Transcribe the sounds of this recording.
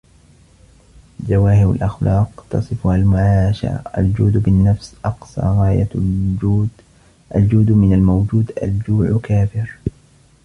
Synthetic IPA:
d͡ʒawaːhɪɾa̰lʔaxlɑːqt̪ɑ̰sˤɨfʊhalmʊʕaːʃa̰ɾa̰ʔa̰ld͡ʒuːd̪bɪnːafsʔɑqsˤɑ̰ːɣaːja | ʔald͡ʒuːd̪mɪnalmawd͡ʒuːd̪ʔa̰ld͡ʒuːʕkaːfɪɾ

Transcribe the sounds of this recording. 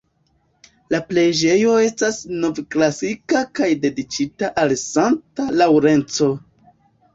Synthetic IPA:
laple̞d͡ʒe̞jo̞e̞stasno̞vklasikakajde̞dit͡ʃitaʔalsantalawɾe̞nt͡so̞

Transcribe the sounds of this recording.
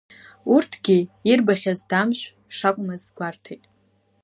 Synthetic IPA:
urtʰɡʲiirbaχʲazdamʃʷᶣ | ʂakʷʼmɨzɡʷartʰejtʼ

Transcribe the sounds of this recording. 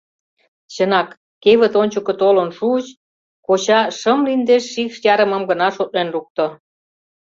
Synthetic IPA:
ɕənɑkː | eβə̆t̪onʲt͡ɕəkə̆t̪olonʃuət͡ɕ | koɕɑʃəmlind̪eʃːikʃjɑɾə̆mə̆mɡənɑʃot̪̚lenruk̚t̪ŏ

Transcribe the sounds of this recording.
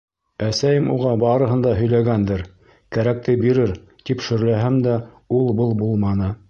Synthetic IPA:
æsæjɘmuʁɑbɑɾɤ̆ɦɤ̆nd̪ɑɦɵ̆jlæɡænd̪ɘɾ | kæɾæk̚t̪ɘbiɾɘɾ | t̪ipʃɘ̆ɾlæɦæmd̪æ | ulˠbɤlˠbulˠmɑnɤ

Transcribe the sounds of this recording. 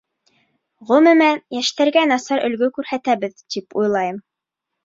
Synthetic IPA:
ʁɵmɘ̆mæjæʃt̪æɾɡænɑsɑɾɵ̆lɡɵkʉɾhæt̪æβɘðt̪ipujlˠɑjɤm

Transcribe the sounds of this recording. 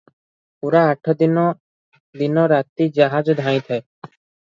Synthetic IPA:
puɾaːʈʰɔd̪inɔ | d̪inɔɾat̪id͡ʒaɦad͡ʒd̪ʱãĩt̪ʰaj

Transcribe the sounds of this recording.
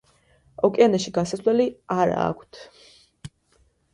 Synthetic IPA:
ɔkʼianɛʃiɡansaslɛliaɾa̰ːkʷʰt̪ʰ

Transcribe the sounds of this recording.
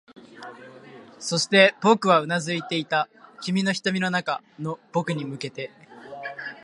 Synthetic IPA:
so̞ɕi̥t̪e̞po̞kɯ̟βaɯ̟nazɨit̪e̞it̪akʲimʲino̞çi̥t̪omʲino̞nakano̞po̞kɯ̟ɲ̟imɯ̟ke̞t̪e̞

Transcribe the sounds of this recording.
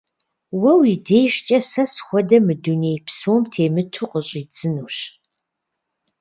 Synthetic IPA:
wɐwideːjʃt͡ʃʼɐsɐsxʷɔdɐmɨduneːjpsɨwɔmtʰeːmɨtʰuqəɕʼit͡sʼɨnuːɕ

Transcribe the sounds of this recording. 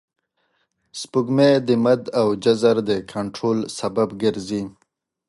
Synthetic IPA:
spuɡmed̪əmad̪awd͡ʒazaɾd̪əkʰaɳʈɾolsababɡəɾzi

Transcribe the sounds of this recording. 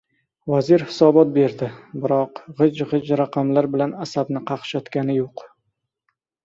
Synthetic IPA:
vazɪɾhɪ̥sɒbɒt̪̚be̞ɾd̪ɪbɪɾɒqʁɨd͡ʒʁɨd͡ʒɾaqʰɑmlaɾbɪlanasabnɪqʰɑqʃɒt̪kʲanɪjoq

